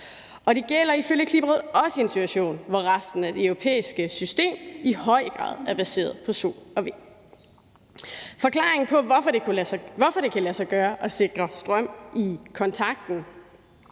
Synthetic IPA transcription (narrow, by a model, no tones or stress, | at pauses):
ʔɒ̽ɾ̥e̝ɡ̥el̰ɐiføljəkʰlib̥ʁeð̩ˠɒ̽səe̝nsit͡sʰwæɕo̝̰ːnʋɒʁasd̥n̩æd̥e̝øʊʁo̝pʰḛːisɡ̥əsysd̥e̝̰ːmihɒ̽ɪ̰əɡ̥ʁɑ̰̈ːð̞ˠæɐb̥æse̝̰ːɐðˠpʰɒ̽so̝̰ɒ̽ʋe̝ | fɒ̽kʰlɑ̈ːʁeŋn̩pʰɒ̽ɒfɒdeʋɒfɒ̽ɾ̥e̝kʰælæsɑ̈ɪɡ̥ɶːɐʔɒ̽se̝ɡ̥ʁɐsd̥ʁɶm̰ikʰɒ̽nt͡sʰɑ̈ɡ̥̚d̥n̩